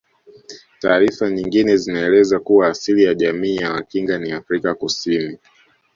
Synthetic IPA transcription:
taːɾifaɲiŋɡinɛzinaɛlɛzakuwaːsilijaʄamiːjamakiŋɡaniafɾikakusini

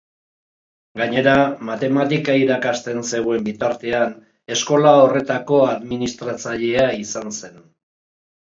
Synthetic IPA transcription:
ɡaɲe̞ɾamat̪e̞mat̪ikaiɾakast̪e̞nse̞ɣwe̞mbit̪aɾt̪e̞an | e̞sko̞lao̞re̞t̪ako̞aðminist̪ɾat͡saʎe̞aisanse̞n

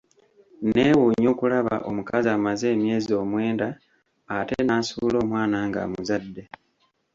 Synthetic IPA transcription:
neːwuɲo̞ːkulaβa̰ʔo̞̰mukazaːmaze̞ːmje̞ːzio̞mwe̞ːndaː | tenasulo̞ːmwaːnaːŋɡa̰ːmuzadːe̞

